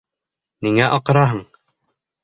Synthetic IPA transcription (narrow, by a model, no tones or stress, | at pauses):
miŋæʔɒqɤ̆ɾɑɦɤɴ